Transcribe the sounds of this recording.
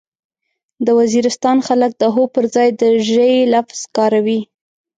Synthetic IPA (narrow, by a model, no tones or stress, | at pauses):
d̪əwaziɾɪst̪ɑnxalək̚d̪əɦopəɾzɑjd̪əʒəjlafz̥kɑɾawi